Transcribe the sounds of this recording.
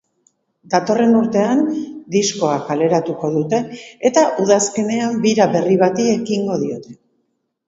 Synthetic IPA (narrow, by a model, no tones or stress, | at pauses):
d̪at̪o̞re̞nuɾt̪e̞and̪isko̞akale̞ɾat̪uko̞ðut̪e̞ːt̪aʔuð̞aske̞ne̞ambiɾaβe̞riβ̞at̪ie̞kiŋɡo̞ð̞io̞t̪e̞̥